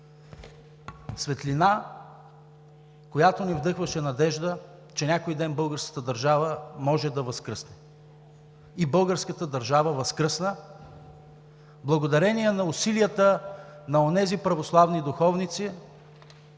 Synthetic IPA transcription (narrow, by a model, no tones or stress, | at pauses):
svɛt̪lina | kojat̪onivd̪ɤxvəʃɛnɐd̪ɛʒd̪ə | t͡ʃɛnʲakojd̪ɛnbɤlˠɡəɾskə̥t̪əd̪ɐɾʒavəmɔʒɛd̪ɐvɐskɾɤsnɛ | ibɤlˠɡəɾskət̪əd̪ɐɾʒavəvɐskɾɤsnə | blˠɐɡod̪ɐɾɛniɛnɐʊsilijət̪ənɐonɛzipɾɐvoslˠavnid̪ʊxɔvnit̪si